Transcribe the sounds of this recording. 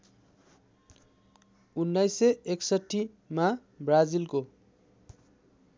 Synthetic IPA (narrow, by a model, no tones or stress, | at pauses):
unːajseeksʌʈʰːi | ma | brad͡zilko